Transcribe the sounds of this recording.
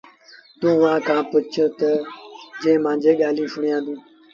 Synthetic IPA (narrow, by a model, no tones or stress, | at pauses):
t̪ũːʋãːkʰãːpʊt͡ʃʰəɾt̪əd͡ʒẽːmãːd͡ʒeːɠaːlĩːsʊɳjãːd̪ũː